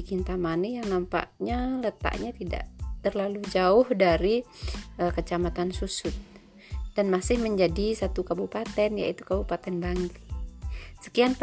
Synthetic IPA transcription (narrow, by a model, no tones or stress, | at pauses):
ikɪnt̪amanijaŋnampa̰ʔɲalət̪a̰ʔɲat̪ida̰ʔt̪ərlalud͡ʒaʊhdaɾiəkət͡ʃamat̪ansusʊt̪̚ | d̥anmasɪhməɲd͡ʒadisat̪ukabupat̪ɛnja̰it̪ukabupat̪ɛnbaŋɡi | sə̥kian